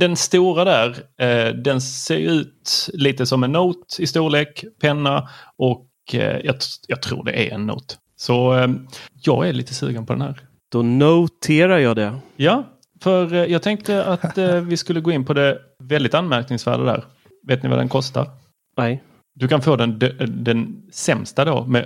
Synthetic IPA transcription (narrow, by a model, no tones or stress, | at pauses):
d̪ɛnst̪uːɾad̪æɾd̪ɛnseːɾjʉ̟ːt̪liːt̪əsɔmɛnːuːt̪ɪst̪uːɭeːkpʰɛnːaɔk | jɑːjɑːɡ̚t̪ʰɾṵːɖɛ̰ʔæ̰ɾʔɛ̰nːṵːt̪ | sɔ | jɑ̰ːɡæɭḭːt̪əsʉ̟ːɡənpʰɔd̪ɛ̰nhæːɾ | d̪̥ɔnot̪ʰeːɾajɑːd̪ɛja | fœɾjɑːɡ̚t̪ʰɛŋk̚t̪əʔat̪vɪskɵlːəɡoːɪnːpʰɔd̪ɛ | vɛld̪ɪt̪anmæɾknɪŋsvæ̰ːɖad̪æ̰ːɾ | veːt̪nɪva̰d̪ɛ̰nkʰɔst̪a̰ɾ | nɛj | d̪ɵkanfoːd̪ɛnd̪d̪ɛnsɛmst̪ad̪omɛ